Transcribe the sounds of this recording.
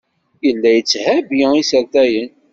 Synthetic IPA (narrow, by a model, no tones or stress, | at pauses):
jəlːæjət͡sːhæbjəisəɾt̪æjən